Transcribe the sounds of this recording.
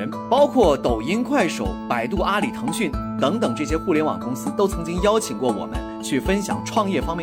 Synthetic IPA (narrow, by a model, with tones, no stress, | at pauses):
ə˧˥npɑ˥ʊkʰwɔ˥˩t̪o˨˩ʊi˥nkʰwa˥˩ɪʂo˨˩˦ʊpa˨˩ɪt̪u˥˩ʔa˥li˨˩t̪ʰɤ˧˥ŋɕy˥˩nt̪ɤ˧˥ŋt̪ɤ˨˩ŋʈ͡ʂɤ˥˩ɕ̬jɛ˥xu˥˩ljɛ˧˥nwɑ̰˨˩ŋkʊ˥ŋsɹ̩˥t̪o˥ʊt͡sʰɤ˧˥ŋt͡ɕi˥ŋjɑ˥ʊt͡ɕʰi˨˩ŋkwɔ˥˩wɔ̰˨˩mə̰˦n | t͡ɕʰy˥˩fə˥nɕjɑ̰˨˩ŋʈ͡ʂʰwɑ˥˧ŋjɛ˥˩fɑ˥ŋmjɛ˥˩